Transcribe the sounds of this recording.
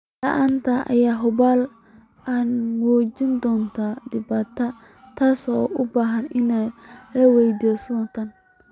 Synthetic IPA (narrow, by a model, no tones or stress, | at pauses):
lɐʔaːnt̪ʰɐʔɐ̰jaːɦʊbaːl | anwɔːd͡ʒɪnd̪ɔːnt̪ʰaːɖɪbaːt̪ʰɐ | t̪ʰaːsɔʔʊbaːɦɐnɪnalɐwɛjd̪ɔːsd̪ɔːnt̪ʰaːn